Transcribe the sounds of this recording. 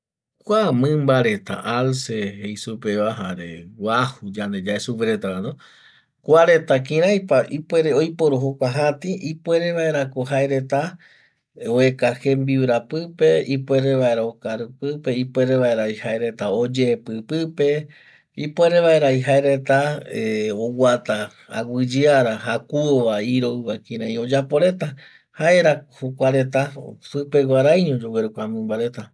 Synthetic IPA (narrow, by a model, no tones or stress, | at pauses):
kʷamɨ̃mbaɾe̞t̪a̰ʔalsehejsupeβaɦaɾe̞̰wahud͡ʒand̪ed͡ʒaesupeɾet̪aɾano | kʷaɾe̞t̪ak̬ĩɾ̃ajpaipwe̞ɾeojpoɾoɦokʷaɦãt̪iʔipwe̞ɾe̞βae̞ɾakoɦaeɾe̞t̪a | oekaxe̞mbiwɾapɨpe̞ipweɾeβae̞ɾaokaɾɨpɨpe̞ipwe̞ɾeβaeɾaihaeɾe̞t̪aod͡ʒeːpɨpɨpe | ipoeɾeβaeɾaiɦaeɾe̞t̪a | owat̪a | a̰wɨd͡ʒɨaɾahakuoβaiɾoɨβakĩɾãj̃od͡ʒapo̞ɾe̞t̪a | haeɾahokʷaɾe̞t̪asɨpe̞ɡʷaɾajɲõd͡ʒoweɾukʷamɨ̃mbaɾe̞t̪a